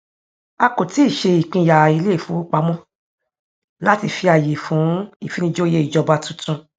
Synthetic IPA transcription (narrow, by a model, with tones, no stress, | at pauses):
a˧ko˨ti˦i˦˨ʃe˧i˨k͡pĩ˧˨ja˨i˧le˦˨fũ˨˦k͡pa˧mɔ̃˦ | la˦ti˧fi˧a˨je˨fũ˨˦i˦˨fi˨˦nĩ˧d͡ʒo˦je˦i˨d͡ʒɔ˧ba˧tũ˦tũ˧